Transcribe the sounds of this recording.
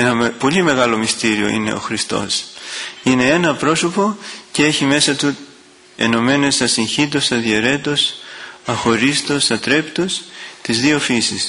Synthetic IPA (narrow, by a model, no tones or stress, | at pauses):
enɐpo̞lime̞ɣɐlo̞mist̪iɾio̞̰ḭne̞̰o̞̰xɾist̪o̞̰s | ine̞enɐpɾo̞so̞po̞cee̞çime̞sɐt̪u | e̞̰no̞me̞ne̞sɐsiɲçid̪o̞sɐðieɾe̞t̪o̞sɐxo̞ɾist̪osɐt̪ɾe̞pt̪ost̪izðio̞fisis